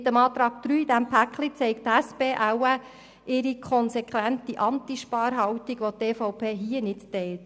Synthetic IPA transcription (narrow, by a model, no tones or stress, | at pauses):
t̪əmɑːt̪ɾɑːɡ̥̚d̥̪ɾyːid̥æmpʰæklit͡sɛɪkt̪æspeːʔæwæ | ʔɪɾikʰɔnsɛkʰʋænt̪iʔɑntiʃpɑːɾɦɑwtiɡ̥ʋot̪eːfɔʊpʰeːɦiənɪttɛɪlt